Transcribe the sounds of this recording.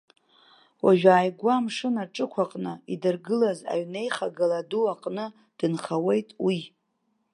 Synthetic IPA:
waʒᶣaːjɡʷamʂɨnaʈ͡ʂʼɨkʷʰaqʼnɨidɨrɡɨlaza̰ɥne̞jχaɡaladuaqʼnɨ | d̥ɨnχawe̞jtʼwi

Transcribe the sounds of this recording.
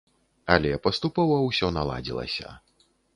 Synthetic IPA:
ɐlʲɛpɐst̪upɔvɐwsʲɔnalˠa̰d͡zʲilˠɐ̰sʲɐ̰

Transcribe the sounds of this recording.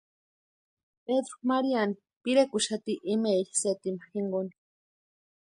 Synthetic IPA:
ped̪ɾo̥maɾiani | piɾekʊʃat̪iʔːmeʎḁset̪imaxiŋɡoni̥

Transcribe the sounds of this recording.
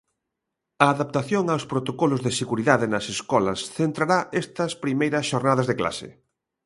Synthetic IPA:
ɐːðap̚t̪aθjoŋawspɾot̪okɔlʊzðeseɣuɾiðaðenɐseskɔlɐsθent̪ɾaɾaʔest̪ɐspɾimejɾɐsʃoɾnaðɐzðekla̰sɪ̰

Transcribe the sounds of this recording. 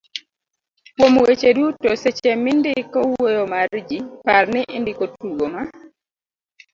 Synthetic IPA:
kwomwet͡ʃedutoset͡ʃɛmɪndɪkɔwojɔmaɾd͡ʒiparnɪʔɪndɪkotuɡoma

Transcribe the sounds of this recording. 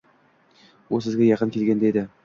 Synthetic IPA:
ulˠsɘ̆zɡʲæjɑqɤnkilɡʲænd̪æid̪ɘ

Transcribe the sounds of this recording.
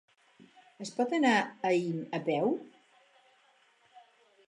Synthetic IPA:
əspɔt̪ənaəinəpɛw

